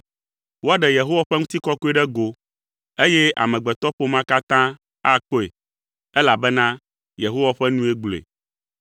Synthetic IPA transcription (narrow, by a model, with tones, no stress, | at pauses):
wo˦a˦ɖɛ˨je˨ɦo˦wa˨ɸɛ˦ŋũ˦t̪i˦kɔ˦ku˦e˦ɖɛ˦ɡo˨ | e˦jɛ˦ʔa̰˨mɛ̃˨ɡ͡bɛ˨t̪ɔ˦ɸo˦mã˦ka˦t̪ã˦ | a˦k͡po˦ḛ˨ | ɛ˦la˨bɛ˦nã˦ | je˨ɦo˦wa˨ɸɛ˦nũ˦e˦ɡ͡blo˨ḛ˨